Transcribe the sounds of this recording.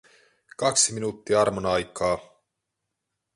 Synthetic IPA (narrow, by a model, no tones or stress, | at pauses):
kɑksiminuːt̪ːiɑrmonɑjkːˑɑː